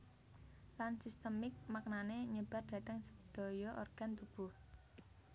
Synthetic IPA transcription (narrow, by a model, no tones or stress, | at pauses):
lansist̪əmɪk̚mak̚naneɲəb̥ard̪̥a̤t̪əŋsə̥d̪̥ɔ̤jɔʔo̰rɡ̥a̤nt̪ub̥uh